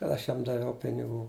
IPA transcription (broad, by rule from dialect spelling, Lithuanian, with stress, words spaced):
kɐt ˈɐʃ ˈjɛm dɐˈʋʲɛʊ pʲɪnʲɪˈɡuː